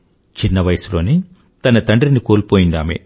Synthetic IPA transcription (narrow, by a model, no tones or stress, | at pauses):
t͡ʃinːɐʋɐjɐsulo̞ːni | t̪ɐnɐt̪ɐɳɖɾinikoːlpoːjind̪a̰ːmḛ